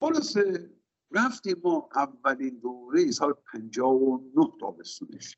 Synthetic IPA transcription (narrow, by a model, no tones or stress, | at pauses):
xolɒːse | ɾæft̪iːmːɒːʔævːæliːnd̪oːɾejisɒːlepʰænd͡ʒɒːvonoht̪ʰɒ̰ːbest̪uːneʃ